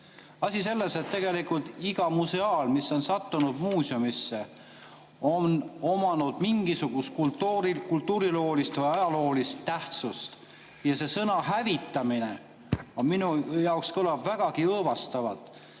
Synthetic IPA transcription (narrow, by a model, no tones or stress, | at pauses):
ɑsʲise̞lːeset̪ːe̞ɡe̞likult̪iɡ̥ɑmuse̞ɑːlmisːo̞nsɑt̪ːunud̪̥muːsiomisːe̞ | o̞no̞mɑnud̪̥miŋɡ̥isuɡ̥ust̪̚kult̪ːuɾikult̪ːuːɾilo̞ːlist̪vɤjɑjɑlo̞ːlist̪ːæht̪sust̪ | jɑse̞sɤnɑɦævit̪ːˑɑmine | ominujɑokskolɑbvæɡ̥ɑkiɤːvɑst̪ɑvɑt̪ːˑ